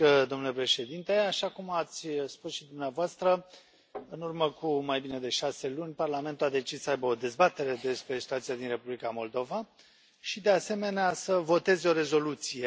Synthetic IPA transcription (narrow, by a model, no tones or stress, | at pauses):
əd̪o̞mnulepɾe̞ʃe̞d̪int̪eaʃakumat̪sʲspusʃid̪umneavoast̪ɾə | ɨnurməkumajbine̞d̪e̞ʃase̞lunʲparlame̞nt̪uad̪e̞t͡ʃissəajbəo̞d̪e̞zbat̪e̞ɾe̞d̪e̞spɾe̞si̥t̪uat̪sijad̪inre̞publikamo̞ld̪o̞va | ʃid̪e̞ase̞me̞neasəvo̞t̪e̞zo̞ɾe̞zo̞lut̪sije